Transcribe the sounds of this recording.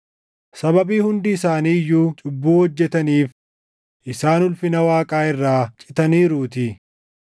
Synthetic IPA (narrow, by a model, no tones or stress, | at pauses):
sɐbɐbiːhʊnd̪ɪːsaːniːjːuːt͡ʃʼʊbːuːɔd͡ʒːɛt̪ɐniːf | ʔɪsaːnʊlfɪnɐwaːkʼaːɪrːaːt͡ʃʼɪ̥t̪ɐniːɾuːt̪ɪ